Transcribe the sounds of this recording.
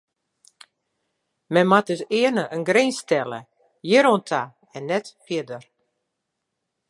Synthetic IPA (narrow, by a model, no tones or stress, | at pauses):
mɛnmat̚døsɪːənəʔənɡrenstɛlə̰ | jɪɾɔntʰa | ɛnːɛtpʰjɪədər